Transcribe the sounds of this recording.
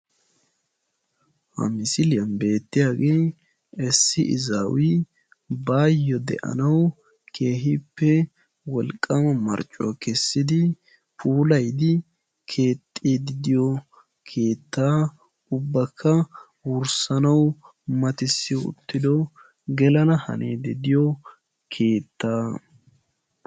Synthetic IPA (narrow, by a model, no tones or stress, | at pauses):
hɐ̰mɪsɪlɪjɐnbe̞ːt̪ːɪjaːɡeː | ɛsːɪʔɪ̰zawi | baːjːɔd̪ɛ̰ʔɐ̰nɐw | kʰe̞ːɦɪpːɛ | wɔlkʼːɐmɐmɐ̰ɾt͡ʃʼːɔ̰akɛsːɪd̪ɪ | pʰuːlɐjd̪ɪ | kʰeːt̪ʼːeːd̪ɪd̪ɪjɔ | kʰe̞ːt̪ːaː | ʊbːɐkʰːɐ | wʊɾsɐnɐw | mɐt̪ɪsːɪjɔʊ̰t̪ːɪd̪ɔ | ɡɛlɐnɐhɐ̰nʔḛːd̪ɪd̪ɪjɔ | kʰe̞ːt̪ːaː